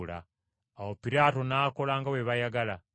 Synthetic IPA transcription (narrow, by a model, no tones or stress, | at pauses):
la̰ː | wopiɾaːto̞nako̞laːŋɡaweβajaɡala